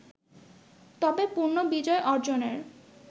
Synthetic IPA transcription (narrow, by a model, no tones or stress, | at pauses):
t̪ɔbepuɾnobid͡ʑɔeʔɔɾd͡ʑoneɾ